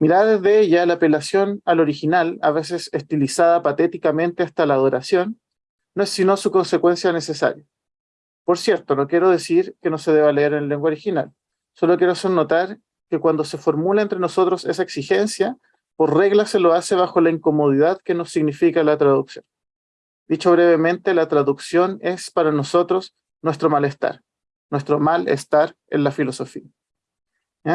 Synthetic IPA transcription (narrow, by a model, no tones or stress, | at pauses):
miɾaðeðeeʝalaːpe̞lasjo̞nalo̞ɾixinala̰βe̞s̬e̞sest̪ilisaðapat̪et̪ikamẽ̞nt̪east̪alaːð̞o̞ɾasjo̞nː | oesːino̞suko̞nse̞kwe̞nsjane̞se̞sa̰ɾja | po̞ɾsje̞ɾt̪ono̞kje̞ɾo̞ð̞e̞siɾkeno̞seð̞eβaleeɾenleŋɡwaoɾixinal | so̞lokje̞ɾosonːo̞t̪aɾ | kekwand̪o̞se̞fo̞ɾmulaent̪ɾeno̞so̞t̪ɾo̞sesaeksixe̞nsja | poɾre̞ɣlaselo̞ase̞βaxo̞laiŋko̞mo̞ð̞iðaðkenosːiɣnifikalat̪ɾaðuksjo̞̰n | d̪̥it͡ʃo̞βɾeβemẽ̞nt̪e̞lat̪ɾaðuksjo̞ne̞spaɾano̞so̞t̪ɾo̞s | nwe̞st̪ɾomale̞st̪a̰ɾ | nwe̞st̪ɾo̞malḛst̪aɾ | ḛnlafilo̞so̞fia